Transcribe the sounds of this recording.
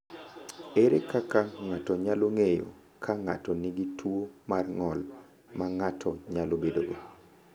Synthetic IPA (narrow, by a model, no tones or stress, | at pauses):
eɾekakaŋatɔɲaloŋejo̰ | kʰaŋa̰tɔniɡitʰwomarŋɔl | maŋatʰɔɲalobedoɡo